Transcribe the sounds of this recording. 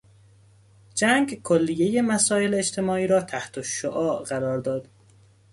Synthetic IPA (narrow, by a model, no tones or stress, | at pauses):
d͡ʒæŋɡkʰolːijeje̞mæsɒːe̞lːt͡ʃt̪ʰe̞mɒːiːɾɒːt̪ʰæht̪ʰoʃoʔɒːʔɢæɾɒːɾd̪ɒːd̪̥